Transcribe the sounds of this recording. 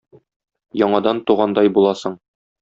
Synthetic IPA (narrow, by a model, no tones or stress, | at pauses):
jɒɴɑd̪ɑnt̪uʁɑnd̪ɑjbulˠɑsɤɴ